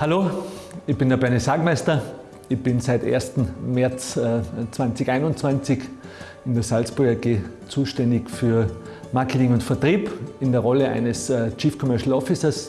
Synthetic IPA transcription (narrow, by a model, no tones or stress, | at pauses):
haloːɪçb̥ɪndeɐb̥ɛɐnisaːɡmaɪstɐ | ɪçb̥ɪnsaɪtʔḛːɐstn̩mɛɐt͡sːt͡sv̥ãnt͡sɪçaɪnʊnt͡sv̥ant͡sɪç | ɪndeɐsalsb̥ʊɐɡɐɡeː | t͡suːʃtɛndɪçfyːɐ | maɐkʰətɪŋʊntfɛɐtʁ̥iːpɪndeːɐʁɔləʔa̰ɪnəst͡ʃiːfkʰɔmœɐʃl̩ɔfɪsɐs